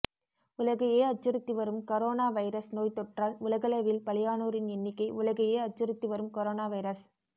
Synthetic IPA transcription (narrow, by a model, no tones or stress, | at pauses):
ʊlɐɣɐjeːɐt͡ʃːɪɾɯt̪ːiʋɐɾɯmkɐɾoːnaːʋɐɪɾɐsnoːjt̪ɔʈraːlʊɭɐɣɐlɐʋɪlpɐlɪjaːnoːɾɪnɛnːɪkːɐɪʔʊlɐɣɐjeːɐt͡ʃːɪɾɯt̪ːiʋɐɾɯmkɐɾoːnaːʋɐɪɾɐs